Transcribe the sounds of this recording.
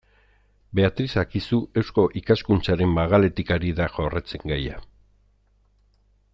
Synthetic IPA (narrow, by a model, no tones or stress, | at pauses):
be̞at̪ɾisakisue̞wsko̞ʔikaskunt͡saɾe̞mbaɣale̞t̪ikaɾiðaʝo̞ret͡se̞ŋɡaja